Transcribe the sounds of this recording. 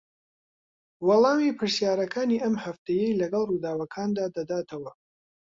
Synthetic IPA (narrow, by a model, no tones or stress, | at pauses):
wɑlˠɑːmipʰɨɾsjaːɾɐkʰaːniːʔɐmhɐft̪ɐjejlɐɡɐlˠrud̪aːwɐkʰaːnd̪aːd̪ɐd̪aːt̪ʰɐwɐ